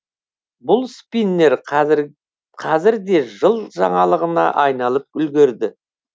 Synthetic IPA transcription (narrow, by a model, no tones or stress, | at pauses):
bʊlˠspinːe̞ɾ | qʰɑzɪɾd̪e̞ʒəlˠʒɑ̰ɴɑlˠəʁənɑ̰ʔɑjnɑlˠəp̚ʏlɡʲe̞ɾd̪ɪ